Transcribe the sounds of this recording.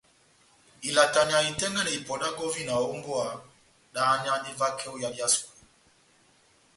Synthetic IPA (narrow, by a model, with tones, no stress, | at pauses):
i˨la˨ta˨ɲa˨i˨tɛ˦ŋɡɛ˦nɛ˨i˨pɔ˨ɗa˦ɡɔ˦vi˦na˨ɔ˨˦u˦mbɔ˦a˨ | ɗa˨˦ɲa˦ni˦va˦kʰɛ˦u˦ja˨li˨a˦sku˨